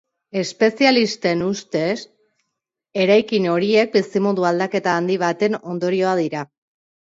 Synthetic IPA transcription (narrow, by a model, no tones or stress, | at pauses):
e̞spe̞sialist̪e̞nust̪e̞s | e̞ɾajkino̞ɾie̞k̚bisimoðuald̪ake̞t̪aːnd̪iβ̞at̪e̞no̞nd̪o̞ɾio̞að̞iɾa